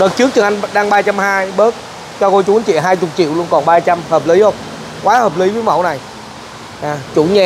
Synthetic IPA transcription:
ɗə˨˩t̚t͡ɕɨ˦˥ək̚t͡ɕɨ˨˩ŋʔa˧jŋɗaː˧ŋɓaː˧t͡ɕa˧mhaː˧jɓəː˦˥t̚ | t͡ɕɔ˧ko˧jt͡ɕu˨˦nt͡ɕḭ˧˨˩ɦaː˧jt͡ɕʊ˨˩k͡p̚t͡ɕḭ˧˨əwlu˧ənkɔ˨˩nɓaː˧t͡ɕa˧mhəː˨˩p̚li˨˦hə˧wŋ͡m | kwaː˨˦həː˨˩p̚li˨˦vəː˨˦jmə̰˧˩˨wna˨˩j | ʔaː˨˩t͡ɕu˧˩ɲɛ˧

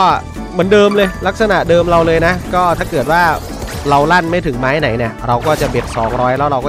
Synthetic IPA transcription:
kɔː˥˩ | mɯ˩˦ndɤː˧mlɤː˧jla˦˥k̚sa˧na˨˩ʔdɤː˧mɾa˧wlɤː˧jna˦˥kɔː˥˩t̪ʰaː˥˩kɤː˨˩t̪̚waː˥˩ | ɾa˧wla˥˩nma˥˩jt̪ʰɯ˩˦ŋmaː˦˥ha˥˩na˩˦jni˥˩ɐɾa˧wkɔː˥˩t͡ɕa˨˩be˨˩k̚sɔː˩˦ŋɾɔː˦˥jlɛ˦˥wɾa˧wkɔː˥˩

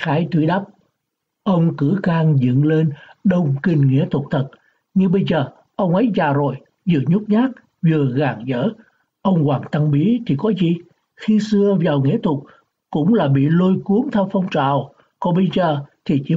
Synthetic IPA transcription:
xaː˨˦jt̪wi˧˥˦ɗa˦˥p̚ | ʔə˧wŋ͡mkɨ˧˩˥kaː˧ŋzɨ̰˧˨nle˧nɗə˨˩wŋ͡mkï˨˩ŋŋḭ˧˥ət̪ʰʊ˨˩k͡p̚t̪ʰə˨˩t̚ | ɲɨ˧ɓə˧jzəː˨˩ | ʔə˧wŋ͡mʔə˨˦jzaː˨˩zo˨˩j | zɨ̰˧˩əɲʊ˦˥k͡p̚ɲaː˦˥k̚ | vɨ˨˩əɣaː˨˩ŋzə̰ː˧˥ | ʔə˧wŋ͡mkwaː˨˩ŋt̪a˧ŋɓi˨˦t̪ʰi˨˩kɔ˨˦zi˨˩ | xi˧sɨ˧əvaː˨˩wŋḭ˧˥ət̪ʰʊ˨˩k͡p̚ | kʊ̰˧˥ŋ͡mlaː˨˩ɓḭ˧˨lo˧jku˨˦əŋt̪ʰɛ˧wfɔ˧wŋ͡mt͡ɕa̰ː˧˨w | kɔ˨˦ɓə˧jzəː˨˩t̪ʰi˨˩t͡ɕḭ˧˥

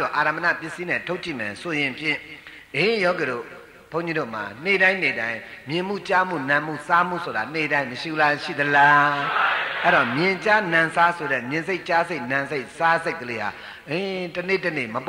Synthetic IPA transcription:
ɔ˨ʔa˨ɾa˨mə˨na̰˦˨pjɪ˦˨si˦nɛ̰̃˦˨tʰo˦ʊʔt͡ɕḭ˦˨mɛ˨sʰo˨jɪ̃˨mpʰjɪ̰̃˦˨ | ʔẽ˦jɔ˦k̬ɛ˨ɾo̰˦˨ | pʰõ˦ʊ̃ɲd͡ʑi˦ɾo̰˦˨ma̰˨n̥e˨ɾã˦ɪ̃ne˨ɾã˦ɪ̃mjɪ̃˨m̥ṵ˦˨t͡ɕa˦mṵ˦˨nã˨mṵ˦˨sa˦mṵ˦˨sʰo˨ɾa̰˨n̥e˨ɾã˦ɪ̃məʃḭ˦˨bla˦ʃḭ˦˨d̪əla˦ | ʔɛ˦˨ɾɔ˨mjɪ̃˨t͡ɕa˦nã˨sa˦so˨ɾɛ̰˦˨mjɪ̃˨nze˦ɪʔt͡ɕa˦ze˦ɪʔnã˨nze˦ɪʔsa˦ze˦ɪkːəle˦ha̰˨ | ʔẽ˦tənḛ˦˨tənḛ˦˨məp

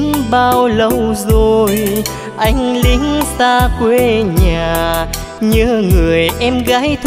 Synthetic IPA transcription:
ŋɓaː˧wlə˧wzo˨˩j | ʔa˧jŋ̟lï˨˦ŋsaː˧kwe˧ɲaː˨˩ | ɲɨ˧ŋɨ˨˩əjʔɛ˧mɣaː˨˦˥jt̪ʰ

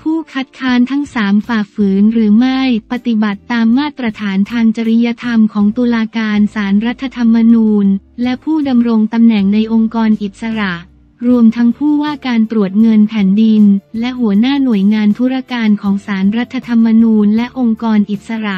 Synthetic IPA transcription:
pʰuː˥˩kʰa˦˥t̪̚kʰaː˦˥nt̪ʰa˦˥ŋsaː˩˦mfaː˨˩fɯː˩˦nɾɯː˩˦ma˥˩jpa˨˩t̪i˨˩ba˨˩t̪ːaː˧mːaː˥˩t̪ɾa˧t̪ʰaː˩˦nt̪ʰaː˧ŋt͡ɕa˧ɾi˦˥ja˧t̪ʰa˧mkʰɔː˩˦ŋt̪u˧laː˧kaː˧nsaː˩˦nɾa˦˥t̪ʰːa˧t̪ʰa˧mːa˧nuː˧nlɛ˦˥pʰuː˥˩da˧mɾo˧ŋt̪a˧mnɛ˨˩ŋna˧jʔo˧ŋkɔː˧nʔi˨˩t̪̚sa˧ɾa˨˩ʔ | ɾu˧əmt̪ʰa˦˥ŋpʰuː˥˩waː˥˩kaː˧nt̪ɾu˨˩ət̪̚ŋɤ˧npʰɛː˨˩˦ndi˧nlɛ˦˥ɦu˩˦ənaː˥˩nu˨˩əjŋaː˧nt̪ʰu˦˥ɾa˧˩kaː˧nkʰɔː˩˦ŋsaː˩˦nɾa˦˥t̪ʰːa˧t̪ʰa˧mːa˧nuː˧nlɛ˦˥ʔo˧ŋkɔː˧nʔi˨˩t̪̚sa˧ɾa˨˩ʔʔ

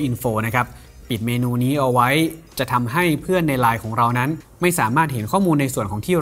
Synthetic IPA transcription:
ʔi˧nfoː˧na˦˥kʰa˦˥p̚ː | i˨˩t̪̚meː˧nuː˧niː˦˥ʔa˧wa˦˥jt͡ɕa˨˩t̪ʰa˧mɦa˥˩jpʰɯ˥˩ənːa˧jlaː˧jkʰɔː˩˦ŋɾa˧wna˦˥n | ma˥˩jsaː˩˦maː˥˩t̪̚ɦe˩˦nkʰɔː˥˩muː˧nːa˧jsu˨˩ənkʰɔː˩˦ŋt̪ʰiː˥˩

